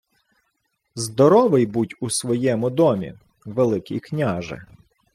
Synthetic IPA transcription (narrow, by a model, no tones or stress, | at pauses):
zd̪ɔɾɔʋɪjbutʲusʋɔjɛmʊd̪ɔmʲḭ | ʋelˠɪkʲḭjknʲaʒɪ̰